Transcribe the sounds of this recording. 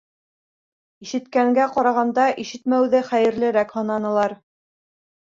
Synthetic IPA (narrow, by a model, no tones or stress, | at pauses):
iʃɘ̆t̪kæŋɡæqɑɾɑʁɑnd̪ɑʔiʃɘt̪mæwðɘχæjɘ̆ɾlɘ̆ɾækhɤ̆nɑnɤ̆lˠɑɾ